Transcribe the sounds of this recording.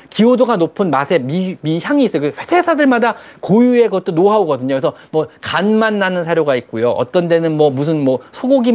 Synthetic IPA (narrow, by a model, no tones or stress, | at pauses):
kiodoɡanopʰɯnmasʰe̞mimiçjaŋiːs͈ʌjokeɸwesʰe̞sʰadɯɭmadakojue̞ɡʌt̚t͈onoɦaoɡʌdɯɲoesʰʌmwʌkanmanːanɯnsʰaɾjoɡaik̚k͈ujoʔʌ̰t͈ʌnde̞nɯnmwʌmusʰɯnmwʌsʰoɡoɡi